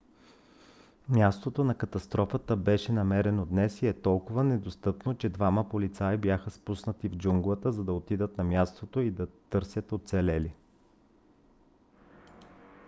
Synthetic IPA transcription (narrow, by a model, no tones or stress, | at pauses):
mʲjast̪ot̪onɐkɐt̪ɐst̪ɾɔfət̪əbɛʃɛnɐmɛɾɛnod̪nɛsiɛt̪ɔlˠkʊvənɛd̪ost̪ɤpnot͡ʃɛd̪vaməpolit̪saibjaxəspusnət̪ivd͡ʒuŋɡlˠət̪əzɐd̪ɐot̪id̪ət̪nɐmʲjast̪ot̪oid̪ɐt̪ɤɾsʲjət̪ot̪sɛlɛli